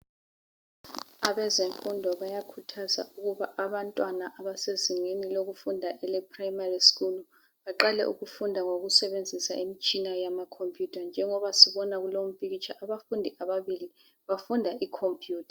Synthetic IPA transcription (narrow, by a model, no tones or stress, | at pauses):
aβɛzeɱfundʱɔβajakʰutʰaza̰ʔuɣuβaʔaβantʼwanaʔaβaseziŋeniloɣufundʱaʔɛlɛpʰʼrajmariskulu | βaǃalɛ̰ʔṵɣufundʱaŋoɣusɛβend͡zʱisaʔimit͡ʃʼinajamakʰompʰʼjutʰʼand͡ʒʱɛŋɔβasiβɔnaɣulom̩pʰʼiɣit͡ʃʰʼaʔaβafundʱiʔaβaβili | βafundʱaʔikʰompʰʼjuːtʰḁ